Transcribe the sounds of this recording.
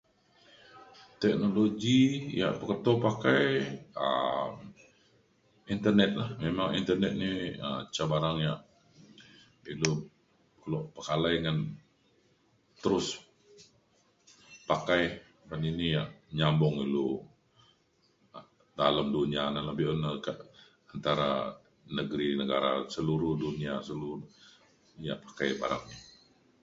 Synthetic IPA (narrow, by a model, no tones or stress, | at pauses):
t̪ɛk̚noloɡija̰ʔpəkət̪opakajə̰m | int̪ərnɛt̪̚lahmemaŋḭnt̪ərnɛt̪̚niə̰t͡ʃabaɾaŋjaʔ | ilo | kəlɔʔpəkalajŋan | t̪əɾʊs | pakaj | ɾaninijaʔɲambɔŋilo | daləmduniananləbɪhonəkaʔ | ant̪aɾa̰ | nəɡɾinəɡaɾa̰səluɾʊhduniasəlu | ja̰ʔpḁkajba̰ɾa̰ŋni